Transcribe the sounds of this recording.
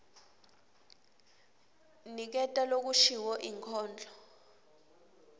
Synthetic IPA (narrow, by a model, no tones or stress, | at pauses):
nik̬ɛtʼalok̬uʃiwɔʔiŋkʰɔːnd͡ɮʱɔ